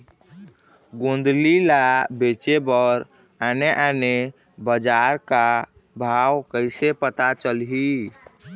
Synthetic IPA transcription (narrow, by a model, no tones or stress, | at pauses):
ɡond̪lilabet͡ʃebəɾ | aneʔane | bəd͡ʒaɾka | bʱawkəɪsepət̪at͡ʃəlɦi